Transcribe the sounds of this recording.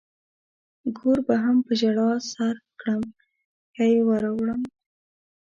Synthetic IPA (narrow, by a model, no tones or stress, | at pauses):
ɡoɾbaɦampəʒaɽɑsaɾkɽəm | kajewaɾawɽəm